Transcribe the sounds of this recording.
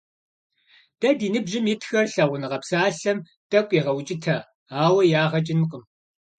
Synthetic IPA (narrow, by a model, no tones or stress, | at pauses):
d̥ɐdiːnɨbʒɪmɪtxɐrɬɐʁʷʊnɨʁɐpsaːɬɐm | tʼɐkʷʼiːʁɐwt͡ʃʼɪtʰɐ | aːwɐjaːʁɐt͡ʃʼɪnɨqʼəm